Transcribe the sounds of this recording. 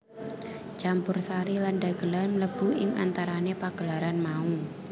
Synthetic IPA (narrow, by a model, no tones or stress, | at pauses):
t͡ʃampʊrsaɾilanɖaɡ̥əlarmləb̥ṳʔɪŋa̰nt̪aɾanepaɡ̥əlaɾanmau